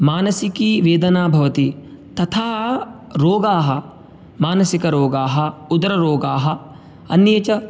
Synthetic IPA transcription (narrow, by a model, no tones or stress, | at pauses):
maːnɐsikiʋeːd̪ɐnaːbʱɐʋɐt̪i | t̪ɐt̪ʰaː | ɾoːɡaːɦɐ | maːnɐsikɐɾoːɡaːɦɐud̪ɐɾɐɾoːɡaːɦɐ | ɐnjeːt͡ʃɐ